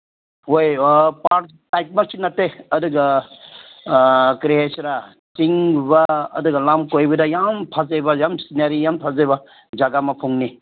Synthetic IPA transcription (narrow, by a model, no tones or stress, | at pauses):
ojpaɾ | tajk̚masinɐteɐduɡɐ | kɾiesɾa | t͡ʃiŋbaɐ̰duɡɐlamkojbɐdajampʰazejbajamsinaɾijampʰazejbɐ | d͡ʒaɡamɐpʰuŋni